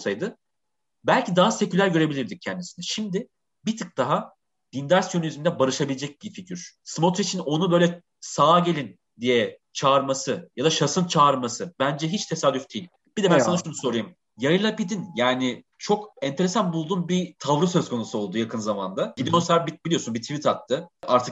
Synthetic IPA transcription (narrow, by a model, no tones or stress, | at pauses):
sajd̪ɯ | bælʲcʰid̪aɦase̞cylʲæɾɟø̞ɾe̞bilʲiɾd̪ic̚cʰɛnd̪isinɛʃimd̪ɪ | bit̪ʰɯk̚d̪̥aɦa | d̪̥ind̪aɾsjoniyzyind̪ɛbaɾɯʃabilʲed͡ʒɛc̚bificʰyɾ̥smo̞t̪it͡ʃʰino̞nubøjlʲɛ | saːɟe̞lʲin | d̪ijɛ | t͡ʃʰaːɾmasɯjad̪aʃasɯnt͡ʃʰaːɾmasɯbænd͡ʒɛɦit͡ʃt̪ʰe̞saːd̪yfd̪ijlʲ | b̥id̪ɛbænsanaʃunuso̞ɾɯjum | jajɯlˠapid̪injaːnɪ | t͡ʃʰo̞kɛnt̪eɾe̞sanbulˠd̪unbit̪ʰavɾɯsø̞zkʰo̞nusuo̞lˠd̪ujakʰɯnzama̰nd̪aɟid̪ijonsaɾbit̪̚b̥ilʲijo̞sunbit̪ʰivit̪ʰat̪ʰːɯʔaɾt̪ʰɯ̥k